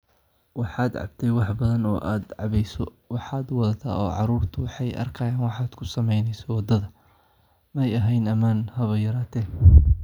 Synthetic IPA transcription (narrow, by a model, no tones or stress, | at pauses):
wɑħɑːd̪ʕɑ̰b̚t̪ʰɛjwɑħbɐðɐnɔːʔaːd̪ʕɑβɛjsɔ | wɑħɑːd̪wɑðɐt̪ʰa̰ːʔɔ̰ːʕɑɾuːrt̪ʰʊwɑħɑjʔɐ̰rkʰɐjaːnwɑħɑːd̪̥kʰʊsɐmɛjnɛjsɔwɑd̪ɐðɐ | mɐjɐɦɛjnɐmaːnhɐβɐjɐɾaːt̪ʰɛː